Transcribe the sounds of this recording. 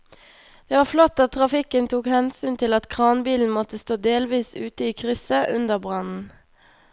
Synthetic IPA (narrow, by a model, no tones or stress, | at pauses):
d̪̥eːʋɑːflɔt̪ːɑt̪t̪ʰːʁɑfɪkənt̪ʰuːkhɛnsyːnt̪ʰɪlɑt̪kʰʁɑːnbiːln̩mɔt̪əst̪oːd̪eːlʋiːsʉːt̪əiːkʰʁʏsəʔʉnd̪əʁbʁɑnn̩